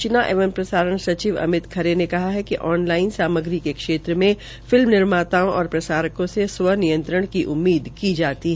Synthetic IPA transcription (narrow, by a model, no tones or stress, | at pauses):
t͡ʃɪnaʔeːʋəmpɾɐsaːɾəɳ̃sɐt͡ʃiːʋɐ̰mɪt̪kʰɐɾenekɐɦaɦɛkiʔɔːnlaːɪnsaːməɡɾikekʃeːt̪ɾəmẽ | fɪlmnɪɾmaːt̪aːõʔɔːɾpɾɐsaːɾəkõseswənijə̃nt̪ɾəɽ̃kiʔʊmːiːd̪kid͡ʒaːt̪iɦɛ